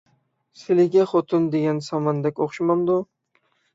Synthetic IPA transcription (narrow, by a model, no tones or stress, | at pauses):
sɪlɪɡʲaχot̪ʰʊnd̪eɡʲansamand̪ɛkʲoχʃmamd̪ʊ